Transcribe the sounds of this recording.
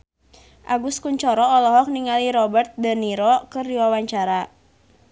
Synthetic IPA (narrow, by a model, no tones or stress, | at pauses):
ʔaɡuskuɲt͡ʃɔɾɔɔlɔɦɔk̚niŋaliɾɔbərt̪̚dəniɾɔkɨrdiwawaɲt͡ʃaɾa